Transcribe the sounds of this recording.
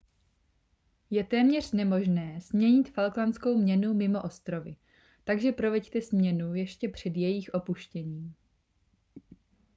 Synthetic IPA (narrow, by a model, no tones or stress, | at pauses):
jɛt̪ɛːmɲɛr̝̥nɛmo̞ʒnɛːzmɲɛɲɪt̪falklansko̞wmɲɛnumɪmo̞ʔo̞st̪ɾo̞vɪ | t̪aɡʒɛpɾo̞vɛct̪ɛsmɲɛnujɛʃcɛpr̝̥ɛd̪jɛjixʔo̞puʃcɛɲiːm